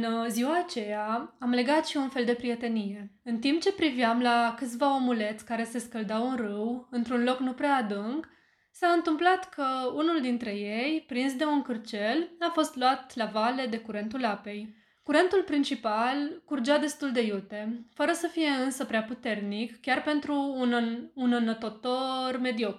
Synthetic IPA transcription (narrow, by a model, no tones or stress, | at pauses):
ɨnziwaːt͡ʃe̞jaamle̞ɡat̪ʃiunfe̞ld̪e̞pɾije̞t̪e̞nije̞ɨnt̪imp̚t͡ʃe̞pɾiviamlakɨt̪sʲvao̞mule̞t̪sʲkaɾe̞se̞skəld̪awɨnrɨwɨnt̪ɾunlo̞knupɾeaːd̪ɨŋɡ | saɨnt̪ɨmplat̪kʰəunuld̪int̪ɾe̞je̞jpɾinsd̪e̞unkɨrt͡ʃe̞lafo̞st̪luat̪lavale̞d̪e̞kuɾe̞nt̪ulape̞j | kuɾe̞nt̪ulpɾint͡ʃipalkurd͡ʒad̪e̞st̪uld̪e̞jut̪e̞fəɾəsəfije̞ɨnsəpɾeaput̪e̞rnikkʲarpe̞nt̪ɾuːnunənət̪o̞t̪o̞rme̞d̪io̞k